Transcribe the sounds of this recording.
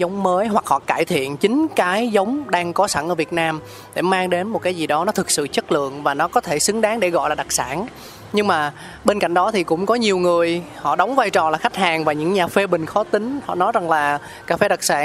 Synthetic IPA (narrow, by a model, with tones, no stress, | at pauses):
zə˨˦wŋ͡mməː˨˦jɦwa˨˩k̚hɔ̰˧˨kaː˧˩jt̪ʰḭ˧˨ənt͡ɕï˨˦ŋ̟kaː˨˦jzə˨˦wŋ͡mɗaː˧ŋkɔ˨˦sa˧˩nʔəː˧˩vi˨˩ət̚naː˧m | ɗe˧˩maː˧ŋɗe˨˦nmo˨˩kaː˨˦jzi˨˩ɗɔ˨˦nɔ˨˦t̪ʰɨ˨˩k̚sɨ̰˧˨t͡ɕə˦˥t̚lɨ̰˧˨əŋvaː˨˩nɔ˨˦kɔ˨˦t̪ʰe˧˩sɨ˨˦ŋɗaː˨˦ŋɗe˧˩ɣɔ̰˧˨jlaː˨˩ɗa˨˩k̚sa̰ː˧˩n | ɲɨ˧ŋmaː˨˩ | ɓe˧nka̰˧˨jŋ̟ɗɔ˨˦t̪ʰi˨˩kʊ̰˧˥wŋ͡mkɔ˨˦ɲi˨˩əwŋɨ˨˩əjhɔ̰˧˨ɗə˨˦wŋ͡mvaː˧jt͡ɕɔ˨˩laː˨˩xa˦˥jk̟̚haː˨˩ŋvaː˨˩ɲɨ̰˧˥ŋɲaː˨˩fe˧ɓï˨˩ŋ̟xɔ˨˦t̪ï˨˦ŋ̟hɔ̰˧˨nɔ˨˦jza˨˩ŋlaː˨˩ | kaː˧˩fe˧ɗa˨˩k̚saː˧˩